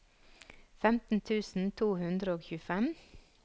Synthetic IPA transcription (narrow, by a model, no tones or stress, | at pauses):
fɛmt̪n̩t̪ʰʉːsn̩t̪ʰuːhʉnd̪ɾəoːçʉːfɛm